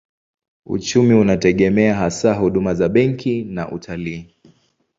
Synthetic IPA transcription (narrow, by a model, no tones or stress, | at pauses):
ṵt͡ʃumiunatɛɠɛmɛaɦasaɦuɗumazaɓɛŋkʰinaʔṵtʰaliː